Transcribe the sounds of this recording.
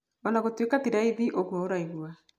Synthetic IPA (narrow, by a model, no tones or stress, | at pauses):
ɔnaɣotwekatiɾaiðiʔoɣwaoɾaiɣwa